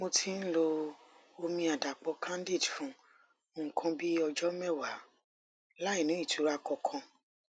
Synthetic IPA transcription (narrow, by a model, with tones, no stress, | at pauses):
mo˧tʰi˦n̩˦lo˧ | o˧mĩ˧a˨da˨k͡pɔ˨˧˦kʰã˦n˦di˦˨dfũ˨˦ | ŋ̩˨kʰã˧bi˦ɔ˧d͡ʒɔ˦mɛ˦˨wa˨˦ | la˦i˦˨nũ˨˦i˦˨tu˨˦ɾa˧kɔ˧kʰã˧